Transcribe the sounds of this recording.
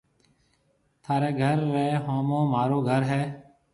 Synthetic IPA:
t̪ʰaːɾeːɡʱəɾːɛːɦoːmõːmaːɾoːɡʱəɾɦɛː

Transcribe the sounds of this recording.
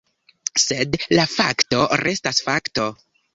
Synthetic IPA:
se̞dlafakto̞ɾe̞stasfakto̞

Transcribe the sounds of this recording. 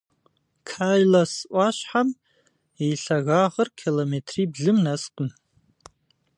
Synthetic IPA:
kʰajlasʔʷaʃħam | ejɬaɣaʁərkʰilometʰribɮɨmnastʼʊn

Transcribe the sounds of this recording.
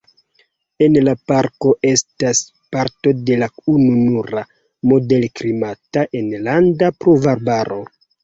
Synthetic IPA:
e̞nlapaɾko̞ʔe̞stas | paɾto̞de̞laununuɾa | mo̞de̞lkɾimataʔe̞nlandapɾovaɾbaɾo̞

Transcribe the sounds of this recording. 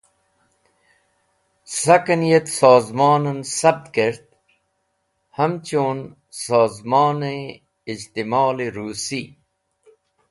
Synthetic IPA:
sɐkɐnijet̪saːzmaːnɐnsɐb̚t̪keɾt̪̚ | hɐmt͡ɕoːn | saːzmaːne | id͡ʑt̪imaːleɾuːsi

